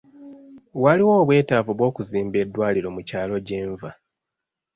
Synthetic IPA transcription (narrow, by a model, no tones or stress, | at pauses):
waliwoβwe̞ːtaːvuβwo̞ːkuziːmbe̞dːwaːliɾo̞mucaːlo̞ɟe̞ːɱva